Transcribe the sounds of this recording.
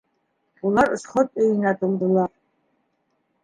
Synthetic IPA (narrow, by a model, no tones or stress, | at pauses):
ularʂχətʼejnatʰʼɨld̪ɨlar